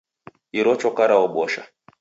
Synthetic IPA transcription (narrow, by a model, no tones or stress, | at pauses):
iɾɔt͡ʃɔkaɾaɔɓɔʃa̰